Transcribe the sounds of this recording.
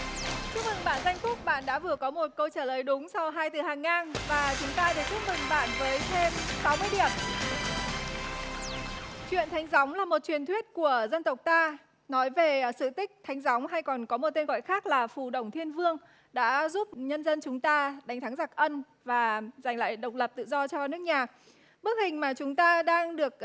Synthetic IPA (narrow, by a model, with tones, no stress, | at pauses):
t͡ɕu˦˥k̚mɨ˨˩ŋɓa̰ː˧˨nza˧jŋ̟t̪ʊ˦˥kk͡p̚ɓa̰ː˧˨nɗa̰ː˧˥vɨ˨˩əkɔ˨˦mo˨˩t̚kə˧wt͡ɕaː˧˩ləː˨˩jɗʊ˨˦ŋ͡msɔ˧wɦaː˧jt̪ɨ˨˩haː˨˩ŋːaː˧nvaː˨˩t͡ɕʊ˨˦ŋ͡mt̪aː˧ɗ̪ə˨˩t͡ɕu˦˥k̚mɨ˨˩ŋɓa̰ː˧˨nvəː˨˦jt̪ʰe˧msa˨˦wmɨ˧əjɗi˨˩əm | t͡ɕwḭ˧˨ənt̪ʰa˨˦jŋ̟za˨˦wŋ͡mlaː˨˩mo˨˩t̚t͡ɕwi˨˩ənt̪ʰwi˦˥ət̚ku˧˩əzə˧nt̪ə˨˩wk͡p̚t̪aː˧ | nɔ˨˦jve˨˩sɨ̰˧˨t̪ï˦˥k̟̚t̪ʰa˨˦jŋ̟za˨˦wŋ͡mɦa˧jkɔ˨˩nkɔ˨˦mo˨˩t̚t̪e˧nɣɔ̰˧˨jxaː˦˥k̚laː˨˩fu˨˩ɗə˧˩wŋ͡mt̪ʰi˧ənvɨ˧əŋ | ɗa̰ː˧˥zu˦˥p̚ɲə˧nzə˧nt͡ɕʊ˨˦ŋ͡mt̪aː˧ɗa˨˦ŋ̟t̪ʰa˨˦ŋza˨˩k̚ʔə˧n | vaː˨˩za˨˩jŋ̟la̰ː˧˨jɗə˨˩wk͡p̚lə˨˩p̚t̪ɨ̰˧˨zɔ˧t͡ɕɔ˧nɨ˦˥ək̚ɲaː˨˩k̚ | ɓɨ˦˥k̚hï˨˩ŋ̟maː˨˩t͡ɕʊ˨˦ŋ͡mt̪aː˧ɗaː˧ŋɗɨ˨˩ək̚